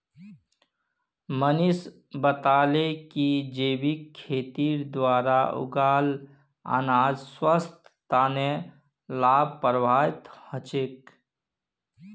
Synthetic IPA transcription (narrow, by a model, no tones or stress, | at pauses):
mənɪs | bət̪aːlekid͡ʒeːbikʰːeːt̪iːɾd̪waːɾaʊ̰ɡaːl | a̰ːnaːd͡ʒswəst̪ːaːne | laːb̚ʱpɾəbʱaːɪt̪hə̃t͡ʃek